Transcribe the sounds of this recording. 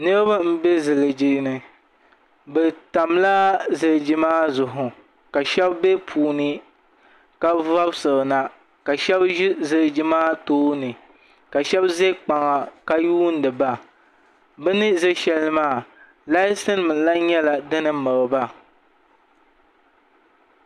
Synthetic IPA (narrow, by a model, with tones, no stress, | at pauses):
nɨ˦ɾɨ˦ba˦m̩˦be˦zɨ˨lɨ˨d͡ʒi˨nɨ˨ | bɛ˨ta˨mla˦zɨ˨ɾd͡ʒi˦maː˦zʊ˨ɦʊ˨ | ka˨ʃɛ˦bbe˦pʰuː˨nɨ˦ | ka˦va˦bsɨ˨ɾna˨ | ka˨ʃɛ˦bzɨ˨lɨ˨d͡ʒi˦maː˦toː˦nɨ˨ | ka˨ʃɛ˦bze˦k͡pa˨ŋa˨ka˦juː˦n̩˦dɨ˨ba˦ | bɨ˦nɨ˦zɨ˦ʃɛ˦lɨ˦maː˦˨ | la˦ɪ˦sɨ˦n˦mɨ˨la˦ɲɛ˦la˨dɨ˦nɨ˦mɨ˨ɾɨ˨ba˦